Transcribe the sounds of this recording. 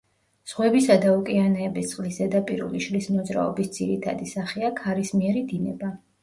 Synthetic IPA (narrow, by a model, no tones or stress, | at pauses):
z̥ʁwɛbisad̪aukʼianɛːbist̪sʼqʼlizɛd̪apʼḭɾṵliʃlismɔd̪zɾa̰ɔ̰bisd̪z̥iɾit̪ʰa̰d̪isaχiakʰaɾismiɛɾid̪inɛ̰ba